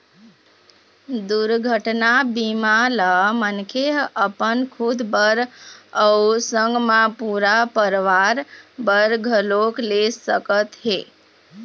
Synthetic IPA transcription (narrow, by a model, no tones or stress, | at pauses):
d̪uɾɡʱəʈnabimalamənkʰeɦəpənkʰud̪bəɾəusə̃ŋɡmãpuɾapəɾʋaɾbəɾɡʱəloklesəkət̪ɦe